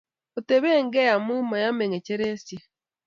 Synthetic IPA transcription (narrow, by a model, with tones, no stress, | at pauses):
o˨te˨βe˦ŋɡe˦ja˨mu˦ma˨ja˦me˨ŋe˨ce˦ɾe˦sje˦